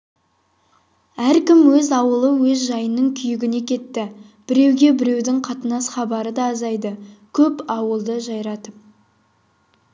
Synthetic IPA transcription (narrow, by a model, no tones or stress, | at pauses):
æɾkʲɪmwɵzɑwəlˠəwɵzʒɑjənːəɴkʲʰʏjɪɡʲɪne̞kʲʰe̞t̪ːɪ | b̥ɪɾe̞wɡʲe̞bɪɾe̞wd̪ɪŋqʰɑt̪ənɑsχɑbɑɾəd̪ɑːzɑjd̪əkʲʰɵpɑwəlˠd̪əʒɑjɾɑt̪əp̚